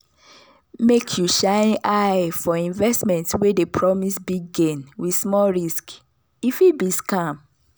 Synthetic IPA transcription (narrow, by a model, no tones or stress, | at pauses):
mekʰjuʃãnʔaɪfɔĩnvɛstmɛ̃ntwedepʰɹɔmisbiɡɡẽnwi̥smɔlɹisk | ifibiskãm